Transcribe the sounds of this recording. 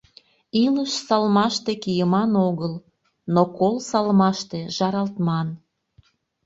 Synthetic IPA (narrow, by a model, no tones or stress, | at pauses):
iləʃsɑlmɑʃt̪ekijəmɑnoɣəl | nokolsɑlmɑʃt̪eʒɑɾɑlt̪mɑn